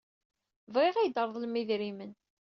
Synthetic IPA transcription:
vʁeʁijd̪əɾˤðˤlmːiðɾimən

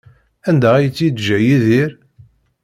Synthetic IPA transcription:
ænd̪æʁæjət͡sːid̪ʒəjiðiɾ

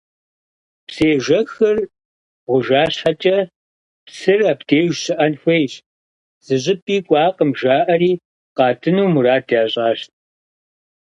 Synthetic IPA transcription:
pseːʒɐxɐr | ʁʷʊʒaːɕħɐt͡ʃʼɐ | psɨraːpd̥eːʒsɨʔɐnxʷejɕ | z̥ɨʑʼɪpʼiːkʷʼɑːqəmʒaːʔɐɾiː | qɑːtʰɨnuːmuɾaːdjaːɕʼaːɕt̚ʰʼ

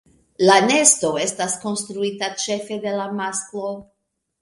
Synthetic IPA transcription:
lane̞sto̞e̞stasko̞nst̪ɾuitat͡ʃe̞fe̞de̞lamasklo̞

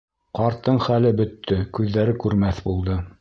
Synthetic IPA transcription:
qɑɾt̪ːɤɴχælɘbɵ̆t̪ʰːɵkʉðːæɾɘkʉɾmæθbulˠd̪ɤ

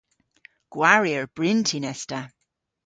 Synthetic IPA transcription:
ɡ̥waɹjəɹb̥ɹɪntʰinɛsta

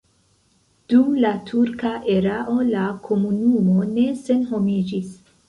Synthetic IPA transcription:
d̥umlatʰuɾkaʔe̞ɾaʔo̞lakʰo̞munumo̞ne̞se̞nɦo̞mid͡ʒis

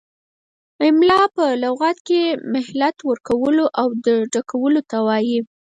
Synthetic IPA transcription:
ɪmlɑpəlawɣɑt̪kemɪhlat̪wəɾkawəloʔawd̪əɖakawəlot̪awɑji

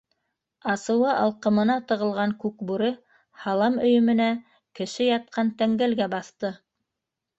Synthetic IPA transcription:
ɑsɤ̆wɤʔɑlˠqɤ̆mɤ̆nɑt̪ɤ̆ʁɤ̆lˠʁɑŋkʉkbuɾɘ | hɑlˠɑmɵ̆jɵ̆mɘ̆næ | kɘ̆ʃɘjɑt̪̚qɑnt̪æŋɡælɡæbɑθt̪ɤ

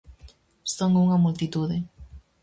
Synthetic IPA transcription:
soŋuŋɐmult̪it̪uðɪ

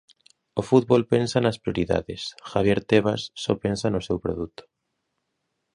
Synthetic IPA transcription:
ofut̪̚βolpensanaspɾioɾiða̰ðesxaβjeɾt̪eβ̞asːɔpẽnsanosewpɾoðut̪o̥

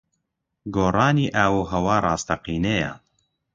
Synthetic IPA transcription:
ɡoːrɑːniːʔaːwuːɦɐwaːrˤɑːst̪ʰɐqiːneja̰n

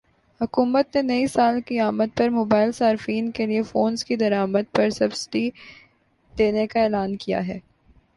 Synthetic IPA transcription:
hʊkuːmət̪nenɐisaːlkiaːməd̪̚pɐɾmoːbaːɪlsaːɾfiːnkeliefoːnzkid̪ɐɾaːməd̪̚pɐɾsɐbsɪ̥ʈi | d̪̥eːnekaeːlaːnkija̰ɦɛː

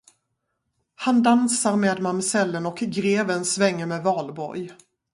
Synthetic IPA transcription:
hand̪ansaɾmeːd̪mamsɛlːənɔkɡɾeːvənsvɛŋːəɾmeːvɑːlbɔ̰ɾj

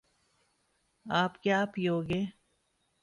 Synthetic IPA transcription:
aːpkjaːpjoːɡeː

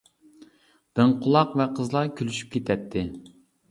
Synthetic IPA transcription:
b̪̥ɨŋqʰʊlˠɑqvɛqʰəzlˠɑɾkʲʰylyʃy̥p̚kʲʰet̪ʰɛt̪ʰːɪ

